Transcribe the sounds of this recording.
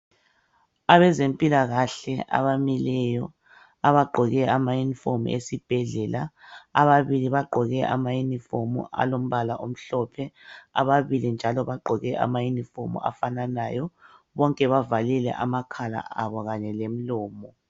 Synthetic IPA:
aβɛzempʼilaɣaɬɛa̰βamilɛjɔ | aβaɡ͡ǃʱɔɣɛamajunifom̰ʔḛsib̥ʱɛɮɛlaaβaβiliβaɡ͡ǃʱɔɣɛʔamajunifomṵa̰lom̩βalaʔom̩ɬɔpʰɛa̰βaβilind͡ʒʱalɔβaɡ͡ǃʱɔɣɛʔa̰majunifomṵa̰fananajɔ | βɔŋkʼɛβavalilɛ̰ʔamakʰala̰ʔaβɔɣaɲɛlem̩lɔːmɔ

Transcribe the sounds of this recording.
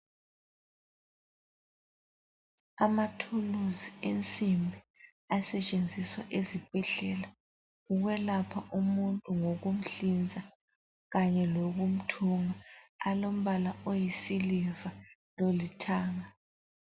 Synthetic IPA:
amatʰuluzient͡sʼimbʱi | asɛt͡ʃʼend͡zʱiswaʔezib̥ʱɛɮɛla | uɣwɛlapʰaʔumuntʼuŋoɣum̩ɬind͡zʱa | ɣaɲɛloɣum̩tʰuŋaːlom̩βalaʔojisilivalolitʰaːŋa

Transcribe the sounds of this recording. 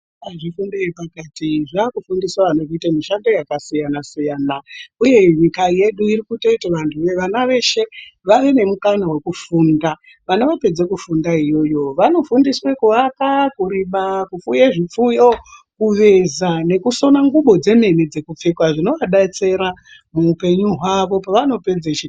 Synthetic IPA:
aʐifundeipakatiʐaːkufundiswaʋanokitamiʃando̞jakasijanasijaːnauje̞ɲikaje̞ɗuirikutoitaʋantʰuʋeʋanaʋe̞ʃe̞ʋaʋe̞ne̞mukanawe̞kufuːnda | ʋanaʋape̞d͡zekufundaijo̞jo̞ʋano̞fundiswe̞kuʋakakuɾiɓakufujeʐip͡fujo | kuʋe̞zane̞kuso̞naŋɡuɓo̞d͡ze̞me̞nid͡ze̞kup͡fekwaʐino̞ʋaɗat͡se̞ɾa | muːpe̞ɲuɦwaʋo̞paʋano̞pe̞d͡zet͡ʃi

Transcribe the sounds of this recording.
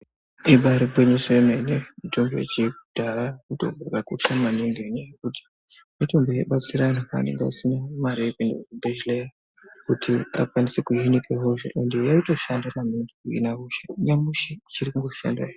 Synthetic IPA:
iɓʱaɾebʱweɲesemenemitombo̰ḭt͡ʃikud̥ʱarakuto̰ɡurɡakuɬamaniŋɡenejekuti̥ | mito̞mbojeɓat͡siɾanaa̰nḛŋɡeasinamaɾiekendeubeʒileja | kutʰia̰kwanisekuɦinikʰeɦoʐeʔendejaito̞ʃandanamiŋɡikuḭnaɦuʃḁɲamuʃit͡ʃirikuŋɡoʃa̰nda̰i

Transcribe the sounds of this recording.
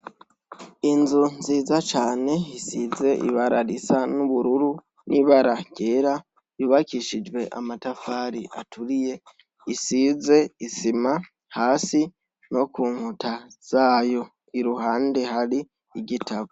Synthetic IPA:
inzunziːzat͡ʃaːne̞isize̞ʔḭβaɾaɾisanuβuɾuɾu | nʔiːβaɾaɡ̥eːɾa | juːβakiʃid͡ʒwe̞ʔa̰matafaːɾiʔatuɾije̞ | isiːze̞isima | haːsi | no̞kuːŋhutʰaz̥aːjo̞ | iɾuhaːnde̞ɦaɾiː | ɟitʰaβo

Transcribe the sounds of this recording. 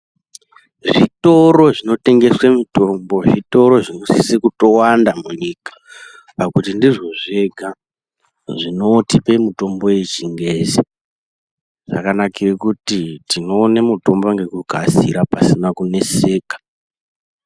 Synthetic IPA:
ʐito̞ɾo̞ʐino̞te̞ŋɡe̞swemito̞mbo̞ʐito̞ɾo̞ʐino̞sisikuto̞wandamuɲikḁ | pakutindiʐo̞ʐe̞ɡʱa | ʐino̞tipe̞muto̞mbo̞jet͡ʃiŋɡezi | ʐ̥a̰kanakirekutitinoːnemuto̞mbaŋɡe̞kuɡʱazḭɾapasinakune̞seːkḁ

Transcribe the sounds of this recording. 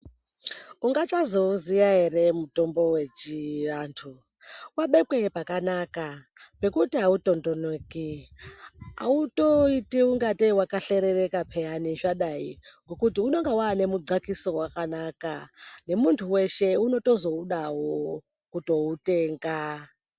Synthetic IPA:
uŋɡat͡ʃazo̞uzijaɦe̞re̞muto̞mbo̞we̞t͡ʃiʋaːntʰu | waɓe̞kwe̞pakanaka | pe̞kutiauto̞ndo̞neki | a̰uto̞itiuŋɡatiwakaɬe̞ɾere̞kapʰejaniʐaɗaiŋɡo̞kutiuno̞ŋɡewaːne̞muɡ͡ǀakiso̞wakanakane̞muntʰuwe̞ʃe̞uno̞to̞zo̞uɗaɦo | kuto̞uteːŋɡa

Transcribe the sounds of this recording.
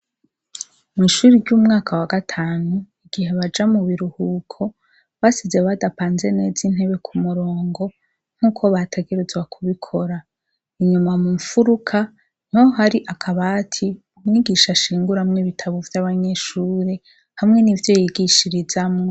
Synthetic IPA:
miʃuɾiɾɟuːmŋaːkʰawaɡatʰaːnu | iɡ̥iheβad͡ʒamuβiɾuhuːkʰo̞ | βasizeβadapaːnze̞ne̞ːzin̥he̞βe̞kʰumuɾo̞ːŋɡo̞ | ŋ̥huːkʰo̞βatʰe̞ɡeɾezɡwakʰuβikʰo̞ɾa | iɲumamuɱfuɾukʰa | n̥oɦaɾiʔakʰaβatʰi | uɲiɡiʃaʃiːŋɡuɾamŋiːβitʰaβovjaβaɲe̞ʃuːɾe | hamŋe̞nivjo̞jiɡiʃiɾizamŋo

